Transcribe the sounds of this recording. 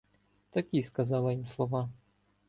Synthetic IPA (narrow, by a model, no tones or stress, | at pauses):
t̪ɐkʲiskɐzɑlˠɐjimslˠɔʋɑ